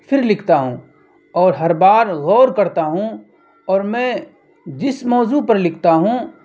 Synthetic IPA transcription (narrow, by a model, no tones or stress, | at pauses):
fʰɪɾlɪkʰt̪aɦũː | ɔːɾɦɐɾbaːɾɣɔːɾkɐɾt̪aɦũ | ɔːɾmɛ̃ː | d͡ʒɪsmɔːzupɐɾlɪkʰt̪aɦũ